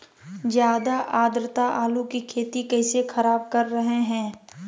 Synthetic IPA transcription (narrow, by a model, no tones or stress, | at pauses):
zjaːd̪aʔaːd̪ɾɪt̪aʔaːlukikʰeːt̪ikɛːsexɐɾaːb̚kɐɾːɐɦeɦɛ̃ː